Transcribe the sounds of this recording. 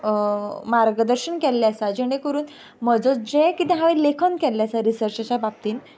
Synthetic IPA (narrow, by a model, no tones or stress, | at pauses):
maɾɡəd̪əɾɕəɳkɛlːjasad͡ʑiɽekəɾuːn | məd͡zot͡sd͡ʑẽkit̪ẽɦãʋelekʰənkɛlːjasaɾisəɾt͡ɕat͡ɕabap̚t̪iːn